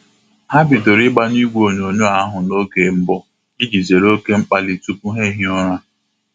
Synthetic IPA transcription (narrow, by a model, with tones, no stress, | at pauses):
ha˦bi˨to˨ɾɪ˦ɡ͡ba˦ni˦ɡʷo˨ɲo˨ɲʊ˦a˨˦ɦʊ˨no˦ɡe˨m̩˦bɔ˦ | i˦d͡ʒi˨ze˨ɾo˦ke˦ŋ͡m̩˦k͡pa˦li˨tu˦pu˦ɦe˦ɦi˦ɔ˦ɾa˦